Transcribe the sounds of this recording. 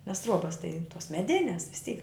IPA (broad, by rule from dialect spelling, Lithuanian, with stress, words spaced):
nʲɛs ˈtruɔbɐs tɐɪ toːs mʲɛˈdʲɪnʲɛs ʋʲɪs ˈtʲiːk